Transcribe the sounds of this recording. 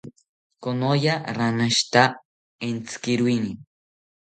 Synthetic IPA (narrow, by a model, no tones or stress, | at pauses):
konojaɾanaʃt̪a | ent͡skɪɾujni